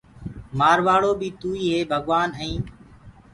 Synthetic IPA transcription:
maːɾʋaːɭoːbiːt̪uːiːɦeːbʱəɠʋaːnəĩː

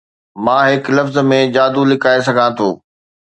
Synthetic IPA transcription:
mãːɦɪklɐfzmẽd͡ʑaːd̪ulɪkʰaːes̬ɐɡʱãt̪ʰoː

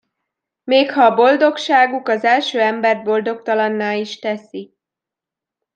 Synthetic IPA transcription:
meːkhɒːbo̞ld̪o̞kʃaːɡukɒzɛlʃøːɛmbɛrd̪̚bo̞ld̪o̞kt̪ɒlɒnːaːliʃt̪ɛsi

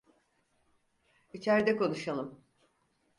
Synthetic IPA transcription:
it͡ʃʰæɾd̪ɛkʰo̞nuʃalˠɯm

